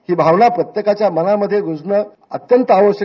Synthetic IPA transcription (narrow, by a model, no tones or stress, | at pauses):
hiːbʱaʋnapɾət̪jekat͡ɕjamənaməd̪ʱːjeɡʱud͡znə | ət̪jənt̪əaʋəɕə